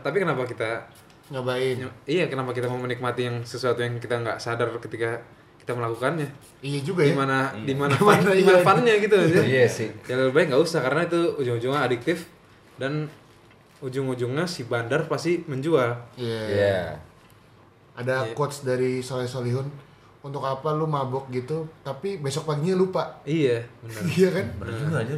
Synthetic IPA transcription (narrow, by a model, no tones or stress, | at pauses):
t̪ap̬ikənapakit̪a | ŋabaɪijakənapakit̪aməmənik̚mat̪ijaŋsəsuat̪ujaŋkit̪aŋɡa̰ʔsadarkət̪ika | kit̪aməlakukanɲa | ijad͡ʒuɡaimanadimanamanaimapanɲaɡit̪ujasɪd͡ʒalbaɪkŋɡausahkaɾənait̪uud͡ʒʊŋud͡ʒuŋaːdik̚t̪ɪf | dan | ud͡ʒʊŋud͡ʒʊŋɲasibandarpast̪iməɲd͡ʒualijaja | adakɔt̪sdaɾisolɛsoliɦʊn | unt̪ʊkapalumabʊk̚ɡit̪ut̪apibesɔk̚paɡiɲalupaijabənəijakanad͡ʒuɡad͡ʒa